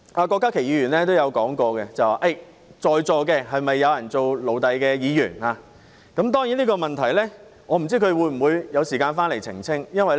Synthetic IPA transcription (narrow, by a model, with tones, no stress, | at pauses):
ʔaː˧kɔː˧kːaː˥kʰe˨˩jiː˨˧˥yː˨˩nlɛː˥t̪o˥wjɐ˨˧wkɔː˨˥ŋkɔː˧kɛ˧t͡sɐ˨wa̰ː˨˩ʔɐ˥˩j | t͡ʃɔː˨˧jt͡sɔː˨˧kɛː˧ɦɐ˨jmɐ˨jːɐ˨˧wjɐ˨˩nt͡so˨wlo˨˩wt̪ɐ˨jkɛː˧jiː˨˧jy̰ː˨˩naː˧ | kɐ˨˥mt̪̬ɔː˥ŋjiː˨˥nliː˥kɔː˧mɐ˨nt̪ʰɐ˨˩jlɛː˥ | ŋɔː˨˧m̩˨˩t͡siː˥kʰɵ˨˧wuː˨˧jm̩˨˩wuː˨˧jjɐ˨˧wsiː˨kaː˧nfaː˥nle˨˩jt͡sʰɪ̰˨˩ŋt͡sʰɪ˥ŋjɐ˥nwɐ˨j